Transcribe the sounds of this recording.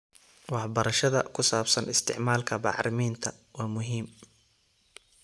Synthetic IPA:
wɑħbɐɾɐʃɐðɐ̰kʰʊsaːbsɐnʔɪst̪ʰɪ̰ʕmaːlkʰɐbɑ̰ʕɾɪmiːnt̪ʰɐ | wɑːmʊɦiːm

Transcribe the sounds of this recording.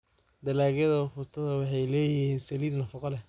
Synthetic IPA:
d̪ɐlaːɣjɐðɐfʊt̪ʰɐðɐwɑħɑjlɛːjɪhiːnsɐliːd̪nɐfɑqɔlɛ

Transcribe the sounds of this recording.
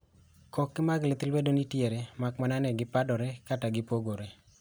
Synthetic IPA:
kʰɔkːɪmaɡlɪt̪ilwedonitjeɾemakmananɛɡɪpadɔɾɛkataɡɪpoɡoɾe

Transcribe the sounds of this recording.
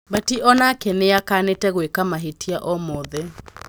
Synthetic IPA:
batiʔɔnakɛneakanetɛɣwekamaɦetiaʔɔmɔðɛ

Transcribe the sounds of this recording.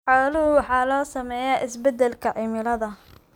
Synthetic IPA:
ħɔːlɐɦʊwɑħɑːlɔːsɐmɛːjaːʔɪsbɛd̪ɛlkʰɐʕɪmɪlɐðɐ

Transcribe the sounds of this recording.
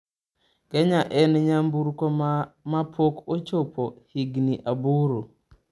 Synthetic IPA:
kɛɲaʔɛnɲambuɾkomapʰokot͡ʃopohiɡniʔabuɾo

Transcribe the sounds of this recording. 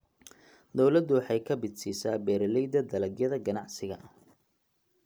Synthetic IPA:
d̪ɔwlɐd̪ʊwɑħɑjkʰɐbɪd̪siːsaːbɛːɾɐlɛjd̪ɐd̪ɐlɐɡjɐðɐɡɐnɑʕsɪɣɐ

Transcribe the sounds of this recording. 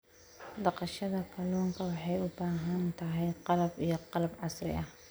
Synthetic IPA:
d̪ɑqɑʃɐðɐkʰɐluːŋkʰɐwɑħɑjʊbaːɦɐnt̪ʰɐɦɛjqɑlɐbijɞqɑlɐbʕɑsrɪ̰ʔɐh

